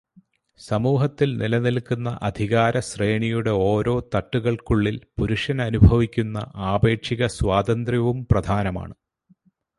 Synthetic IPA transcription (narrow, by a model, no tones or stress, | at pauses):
sɐmuːɦɐt̪ːilnilɐnilkːunːɐ̰ʔɐd̪ʱiɣaːɾɐsreːɳijuɽe̞o̞ːɾo̞ːt̪ɐʈːuɣɐɭkuɭːilpuɾuʂɐnɐnubʱɐʋikʲːunːɐ̰ʔaːbe̞ːʈʂiɣɐswaːd̪ɐnd̪rɐʋumprɐd̪ʱaːnɐma̰ːɳɨ